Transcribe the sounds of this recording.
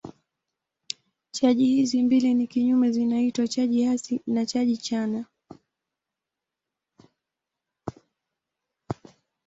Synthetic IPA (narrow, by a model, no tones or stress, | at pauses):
t͡ʃaʄihizimbilinikiɲumɛzinaitwat͡ʃaʄihasinat͡ʃaʄit͡ʃana